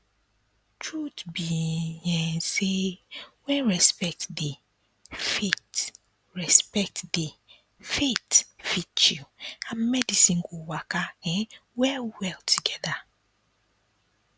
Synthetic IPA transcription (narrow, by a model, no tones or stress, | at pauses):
tʰɹutbijɛ̃nsewɛ̃nɹɛspɛk̚tdi | fet | ɹɛspɛk̚tdi | fetfit͡ʃuãnmɛdisĩnɡowakaɛ̃wɛlwɛltʰuɡɛða